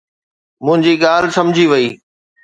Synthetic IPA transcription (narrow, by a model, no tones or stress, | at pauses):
mʊ̃ɦɪ̃ɲd͡ʑiːɠaːlsɐmd͡ʑʱiʋɐiː